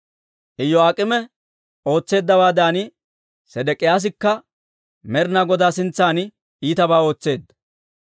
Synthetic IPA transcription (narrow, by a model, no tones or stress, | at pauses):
ʔɪjːɔɐkʼɪmɛ | o̞ːt͡sːe̞ːd̪ːɐbaːd̪aːnɪ | sɛd̪ɛkʼːɪjaːs̬ɪkːɐ | mɛɾnaɡɔd̪aːsɪnt͡sːaːn | iːt̪ɐbaːo̞ːt͡sːe̞ːd̪ːɐ